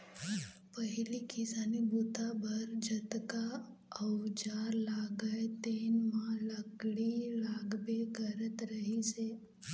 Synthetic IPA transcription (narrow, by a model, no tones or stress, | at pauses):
pəɦɪlikɪsaːnibut̪abʱɐɾd͡ʒɐt̪ka | əʊd͡ʒaːɾlaːɡəet̪eːnmãləkɽilaːɡbeɡəɾət̪ɾəɦiseː